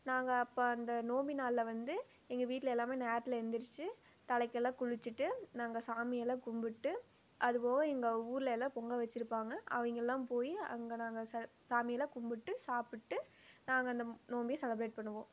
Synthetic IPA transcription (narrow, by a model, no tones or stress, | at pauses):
naːŋɡɐːpːoːɐnd̪ɐnoːmbinaːlːɐʋɐnd̪ɯ | ɛŋɡɐʋiːʈːɪlɐɛlːaːmeːnɐaːʈːlɐɛnd̪ɪɾɯt͡ʃːɯ | t̪ɐɭɐɪkːɐɛlːãːkʊɻɪt͡ʃːɯʈːɯnaːŋɡɐsaːmɪjɛlãːkʊmbɪʈːɯ | ʔɐðɯpoːɣɐɛŋɡɐuːɾɪlɐɛlːãːpɔŋɡɐʋɛt͡ʃːɪɾɯpːaːŋɡɐɐ̰ʋɐŋɡɐɛlːãːmpoːjiɐ̰ŋɡɐnaːŋɡɐsɛsaːmɪjɛlãːkʊmbɪʈːɯsaːpɪʈːɯ | naːŋɡɐɐnd̪ɐnoːmbɪjɐsɛlɐbɾeːʈ̚pɐɳːɯʋõː